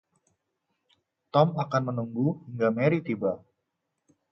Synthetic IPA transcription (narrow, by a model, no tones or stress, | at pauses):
t̪ɔmakanmənuŋɡuhiŋɡameɾit̪iba